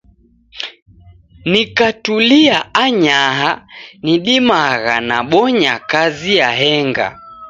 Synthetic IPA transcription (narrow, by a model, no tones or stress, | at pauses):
nikatuliaaɲaɦaniɗimaɣa̰naɓɔɲakazijaɦɛŋɡa̰